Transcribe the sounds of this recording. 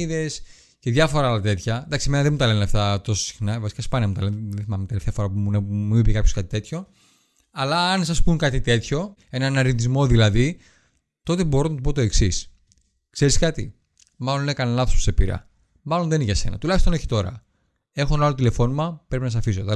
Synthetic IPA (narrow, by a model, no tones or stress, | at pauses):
iðes | ceðʝɐfo̞ɾɐlɐt̪e̞t̪çɐd̪ɐksime̞nɐðemut̪ɐle̞nɐft̪ɐt̪o̞sosi̥xnɐvɐsi̥kɐspɐnɐmut̪ɐlenðeθimɐmet̪eleft̪ɐfoɾɐpuuneumibikɐpço̞skɐt̪i̥t̪e̞t̪ʰço̞ | ɐlɐːns̬ɐspunkɐt̪it̪e̞t̪ço̞ | e̞nɐnɐɾint̪izmo̞ðilɐði | t̪o̞t̪e̞bo̞ɾonɐt̪opot̪o̞e̞ksis | kse̞ɾiskɐt̪ḭ | mɐlo̞nekɐnnɐθospo̥sepḭɾɐ̰ | mɐlo̞nðeniʝɐse̞̰nɐ̰t̪ulɐçist̪oneçi̥t̪o̞ɾɐ̰ | e̞xoenɐlot̪ile̞fo̞nimɐpɾepinɐs̬ɐfis̬ot̪ɐ